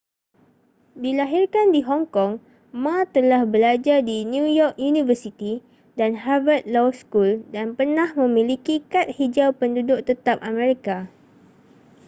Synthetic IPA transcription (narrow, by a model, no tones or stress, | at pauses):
dilaɦirkandiɦɔŋkɔŋ | mat̪əlahbəlad͡ʒardinjujɔk̚junĩvəsit̪i | danɦavət̪̚lɔskuldanpərnãhmə̃mĩlikikat̪̚hid͡ʒawpəndudʊkʔ̚t̪ət̪ap̚amẽɾika